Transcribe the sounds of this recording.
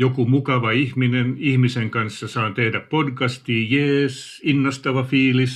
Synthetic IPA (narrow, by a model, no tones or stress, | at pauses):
jokumukɑʋɑihminenihmiseŋkɑnsːɑsɑːnt̪ehdæppodkɑst̪iːjeːs | inːɑst̪ɑʋɑfiːlis